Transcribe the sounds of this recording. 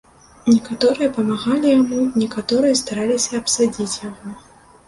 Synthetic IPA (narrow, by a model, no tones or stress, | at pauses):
nʲɛkat̪ɔɾɨjɐpɐmaɣalʲijamunʲɛkat̪ɔɾɨjɐst̪aɾalʲisʲɐɐpsad͡zʲit͡sʲjaɣɔ